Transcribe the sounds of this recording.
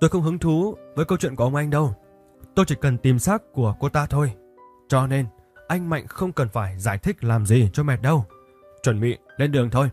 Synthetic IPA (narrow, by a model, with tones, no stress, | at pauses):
t̪o˧jxə˧wŋ͡mɦɨ˨˦ŋt̪ʰu˨˦vəː˨˦jkə˧wt͡ɕwḭ˧˨nkʔə˧˨ŋ͡mʔa˧jŋ̟ɗə˧w | t̪o˧jt͡ɕi˧˩kə˨˩nt̪i˨˩msaː˦˥k̚ku˧˩əko˧t̪aː˧t̪ʰo˧j | t͡ɕɔ˧ne˧n | ʔa˧jŋ̟ma̰˧˨jŋ̟xə˧wŋ͡mkə˨˩nfaː˧˩jzaː˧˩jt̪ʰï˦˥k̟̚laː˨˩mzi˨˩t͡ɕɔ˧mɛ˨˩t̚ɗə˧w | t͡ɕwə˧˩nɓḭ˧˨le˧nɗɨ˨˩əŋt̪ʰo˧j